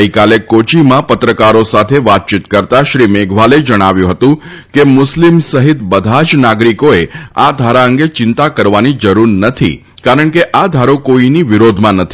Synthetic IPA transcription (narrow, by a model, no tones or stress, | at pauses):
əikalekot͡ʃimãpət̪ɾəkaɾosat̪ʰeʋat̪̚t͡ʃit̪kəɾt̪aʃɾimeɡʱʋaled͡ʒəɽ̃aʋjũɦət̪ũ | kemʊslimsəɦɪt̪bəd̪ʱad͡ʒnaɡɾikoead̪ʱaɾaəŋɡet͡ʃɪnt̪akəɾʋanid͡ʒəɾuɾnət̪ʰḭ | kaɾəɳkeʔad̪ʱaɾokoiniʋɪɾod̪ʱmãnət̪ʰi